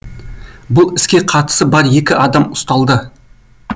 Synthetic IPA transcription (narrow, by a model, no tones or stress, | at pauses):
bʊlˠɪskʲe̞qʰɑt̪ə̥səbɑɾje̞kʲɪʔɑd̪ɑmʊ̥st̪ɑlˠd̪ə